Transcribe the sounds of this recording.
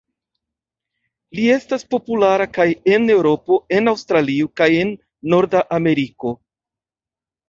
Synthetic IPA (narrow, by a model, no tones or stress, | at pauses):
lie̞staspo̞pulaɾakaje̞ne̞wɾo̞po̞e̞nawstɾalio̞kaje̞nː | o̞ɾdaʔame̞ɾiko̞